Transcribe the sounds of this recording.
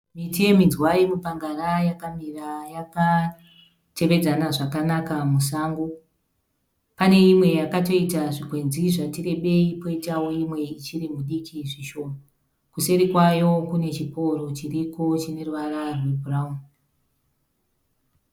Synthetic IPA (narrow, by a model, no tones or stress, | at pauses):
mitie̞mind͡zwaimupaŋɡarajakamirajaka | te̞ʋe̞d͡zanaʐakanakamusaːŋɡo | pane̞imwe̞jakato̞itaʐikwe̞nd͡ziʐatire̞ɓe̞ipo̞itawo̞imwe̞it͡ʃirimuɗikʰiʐiʃo̞ːno | kuse̞ɾikwajo̞kune̞t͡ʃiko̞ɾo̞t͡ʃiriko̞t͡ʃine̞ruʋararwebʱuraum